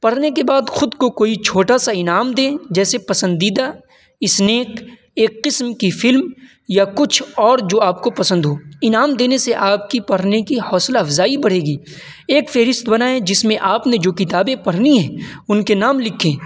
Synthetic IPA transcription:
pɐɽ̤nekebaːd̪xʊd̪kokoːit͡ʃʰoːʈasaɪnaːmd̪ẽːd͡ʒɛːsepɐsə̃nd̪iːd̪a | ɪsneːk | eːkːɪsmkifɪlm | jakʊt͡ʃʰɔːɾd͡ʒoːaːp̚kopɐsə̃nd̪ɦoːɪnaːmd̪eːneseʔaːp̚kipɐɽ̤nekihɔːslaɐfzaːibɐɽ̤eːɡiː | eːkfɛɦɾɪst̪bɐnaːẽd͡ʒɪsmẽʔaːpned͡ʒoːkɪt̪aːbẽpɐɽ̤niɦɛ̃ːʊnkenaːmlɪkʰẽː

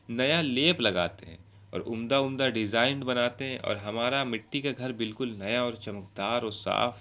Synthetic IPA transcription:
nɐjaleːplɐɡaːt̪eɦɛ̰̃ | ɔ̰ːɾʔʊ̰md̪aʊmd̪aɖɪd͡ʒaːɪnɖbɐnaːt̪eɦɛ̃ʔɔ̰ːɾɦɐmaːɾamɪʈːikaɡʱɐɾbɪlkʊlnɐjaɔːɾt͡ʃɐməkd̪aːɾɔːɾsa̰ːf

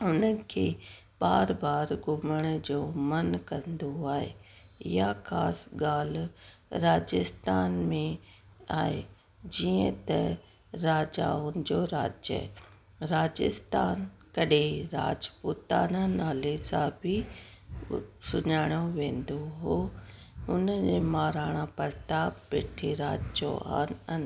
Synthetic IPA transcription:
ʊnəkʰeː | ɓaːɾbaːɾɡʱʊməɽ̃d͡ʑoːmɐnkɐ̃nd̪oaːɦḛ | ɪɦaxaːsɠaːl̤ɾaːd͡ʑɪst̪aːnmẽa̰ːɦe | d͡ʑiːə̃t̪ɐ | ɾaːd͡ʑa̰ːʊnɪ̆d͡ʑoːɾa̰ːd͡ʑjə̰ | ɾaːd͡ʑɪ̰st̪aːnkɐɗeɾaːd͡ʑpuːt̪aːnãnaːlesãbʱɪ | sʊɲaːɽ̃joʋẽːnd̪oɦo | ʊnəd͡ʑeːmaːɾaːɽ̃ãpɐɾt̪aːbpɪʈʰiɾaːd͡ʑo̰a̰ːnɐn

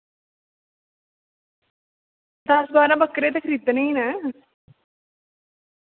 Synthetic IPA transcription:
t̪asbaːɾãbəkɾet̪ekʰɾit̪nəina

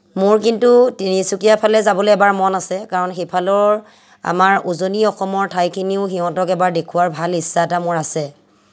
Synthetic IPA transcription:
mʊɹk̬intutinisukijapʰalɛzabɔleɛbaɹmɔnasɛkaɹɔnxejpʰalɔɹ | a̰maɹuzoniɔxɔmɔɹtʰajkʰiniʊxiɦɔ̃tɔkɛbaɹdekʰuwaɹbʱalisːaɛtamʊɹasɛ

